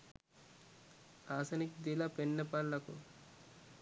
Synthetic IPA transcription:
aːsɐnikd̪ilɐpenːɐpɐlːɐku

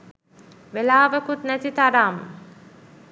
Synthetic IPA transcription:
ʋelaːʋəkut̪næt̪it̪aɾaːmə̰

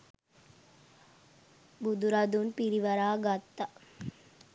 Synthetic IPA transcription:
bud̪uɾɐd̪unpiɾiʋɐɾaːɡat̪ːɐ

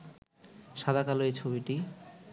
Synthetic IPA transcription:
ʃad̪ʱakaloet͡ɕʰobiʈi

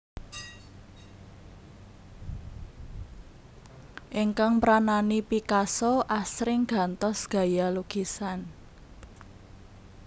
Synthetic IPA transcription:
ʔiŋkaŋpɾananipikasoʔasɾɪŋɡ̥a̤nt̪ɔsɡ̥a̤jaluɡ̥isan

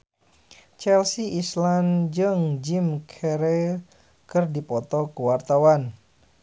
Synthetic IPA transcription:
t͡ʃɛlsiʔisland͡ʒɨŋd͡ʒimkʰɛɾɛ | kɨrdipɔt̪ɔkuwart̪awan

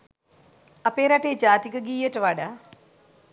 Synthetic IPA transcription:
ɐpeːɾɐʈeːd͡ʒaːt̪ikɐɡijəʈɐʋaɖa

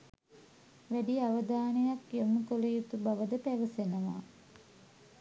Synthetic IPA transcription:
ʋæɖiaʋəd̪aːnejakjoməkolejut̪ubaʋəd̪əpæʋəsenəʋa̰ː

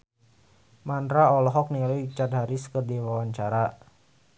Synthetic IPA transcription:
mandɾaɔlɔɦɔk̚nialujt͡ʃad̚ɦaɾiskərdiwawaɲt͡ʃaɾa

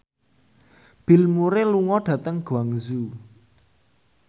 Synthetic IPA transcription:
b̥i̤lmuɾeluŋɔɖ̥ä̤t̪əŋɡ̥uaŋzu

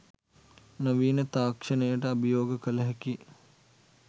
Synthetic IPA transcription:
nɐʋiːnət̪aːkʂənəjəʈəɐbijoːɡəkələɦɛki

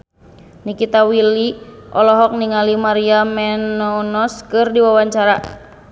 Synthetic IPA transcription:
nikit̪awiliʔɔlɔɦɔk̚niŋalimaɾiamɛnɔnɔskɨrdiwawaɲt͡ʃaɾa

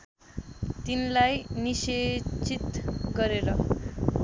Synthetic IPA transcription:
t̪inlajniset͡sit̪ɡʌɾeɾʌ

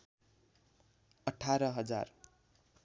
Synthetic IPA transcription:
ʌʈʰaɾʌɦʌd͡za̰r

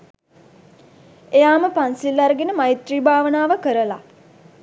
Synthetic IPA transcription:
ejaːməpansilːaɾəɡenəmajit̪riːbaːʋənaːʋəkəɾəla

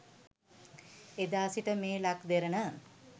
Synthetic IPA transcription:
ed̪aːsiʈəmeːlakd̪eɾənə

